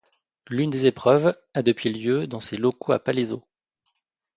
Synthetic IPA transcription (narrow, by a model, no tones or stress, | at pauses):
lynd̪ezepχœv | ad̪əpɥiljød̪ɑ̃selɔkoa̰palezo